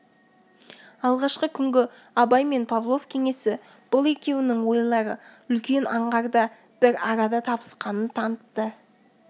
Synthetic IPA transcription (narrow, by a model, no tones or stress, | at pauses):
ɑlˠʁɑʃqəkʲʰʏŋɡʲɪ | ɑbɑjme̞npʰavlˠo̞vkʲʰe̞ŋe̞sɪ | b̥ʊlˠe̞kʲe̞wɪnɪŋwo̞jlˠɑɾəʏlkʲe̞nɑɴʁɑɾd̪ɑ | b̥ɪɾɑɾɑd̪ɑt̪ʰɑpə̥sqɑnənt̪ʰɑnət̪ːə